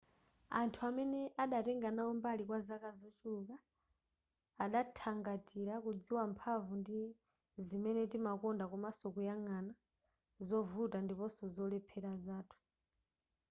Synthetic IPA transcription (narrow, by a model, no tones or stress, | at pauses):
antʰuamɛnɛʔaɗatɛŋɡanaɔmbalikwazakazɔt͡ʃuluka | ɗatʰaŋɡatʼiɾakud͡ziwampʰavundi | zimɛnɛtimakɔndakɔmasɔkujaŋana | zɔvutandipɔsɔzɔlɛpʰɛɾazaːtʰu̥